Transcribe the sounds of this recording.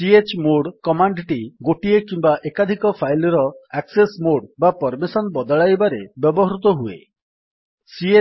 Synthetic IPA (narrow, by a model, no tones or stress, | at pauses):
siet͡ʃmoɽkɔmaɳɖʈiɡoʈiekimbaʔekad̪ʱikɔpʰajlɔɾɔaksesmoɽbapɔɾmisɔnbɔd̪ɔɭajbaɾebjɔbɔɦɔɾut̪ɔɦuḛ | sie